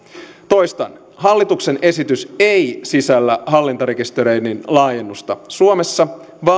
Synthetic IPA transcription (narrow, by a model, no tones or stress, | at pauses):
t̪o̞jst̪ɑn | ɦɑlːit̪ukse̞ne̞sit̪yse̞jsisælːæɦɑlːint̪ɑɾe̞kist̪e̞ɾejninlɑːje̞nːust̪ɑsuome̞sːɑ | ʋɑ